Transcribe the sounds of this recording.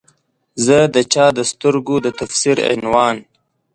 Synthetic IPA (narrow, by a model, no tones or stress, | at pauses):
zəd̪ət͡ʃɑːd̪əst̪əɾɡod̪ət̪afsiɾɪ̰nwɑːn